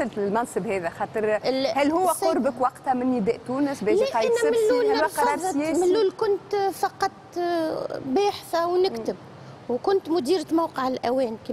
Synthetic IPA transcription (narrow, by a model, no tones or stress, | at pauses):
ɪlt̪ɪlmɑnsəbhɛːðɛxɑːt̪ˤəɾhælːhʊwːæʊɾbəkwɑqt̪amɪnːɪd̪ɛːʔt̪uːnəsbɛːiɑʕmːuːaqɑjmɪlːuːlkʊnt̪fɑqɑt̪ˤ | bɛːħθawnɪkt̪ɪb̚ | wkʊnt̪mʊd̪iːɾmawqəʕɪlʔæwɛːnk